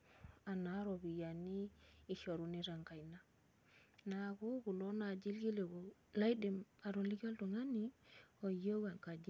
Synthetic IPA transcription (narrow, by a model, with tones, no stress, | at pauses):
a˨na˨˦ɾo˨bi˨ja˨niː˦˨ʃo˨ɾu˨ni˦ɾa˨ŋka˨jna˦ | na˨ɡu˦ɡu˨lo˦na˨d͡ʒi˦lɡi˦le˨ɡo˨la˦i˦de˨ma˨ɾo˨li˦ɡa˦ldu˨ŋa˦ni˦o˨jo˦ɡa˨ŋka˨d͡ʒi˦